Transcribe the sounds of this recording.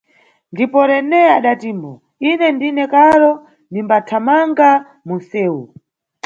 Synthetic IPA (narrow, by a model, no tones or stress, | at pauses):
ndipɔɾɛnɛaɗatiːmɔ | inɛndinɛkaɾɔ | ndimbatʰamaŋɡa | munsɛːu